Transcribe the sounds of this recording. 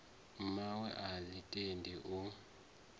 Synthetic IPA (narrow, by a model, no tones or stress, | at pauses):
mawɛʔalitʼendʱɛʔu